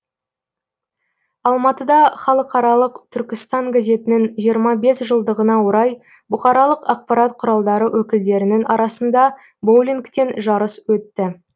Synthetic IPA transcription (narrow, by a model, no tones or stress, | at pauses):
ɑlˠmɑt̪əd̪ɑχɑlˠəqɑɾɑlˠəqt̪ʰʏɾkʲɪst̪ɑŋɡʲaze̞t̪ɪnɪŋʒijəɾmɑbe̞sʒəlˠd̪əʁənɑwoɾɑj | bʊχɑɾɑlˠəqɑq̚pɑɾɑt̪̚qʰʊɾɑlˠd̪ɑɾəwʔɵkʲɪld̪e̞ɾɪnɪŋɑɾɑsənd̪ɑ | bowlʲiŋkt̪e̞nʒɑɾəswɵt̪ːɪ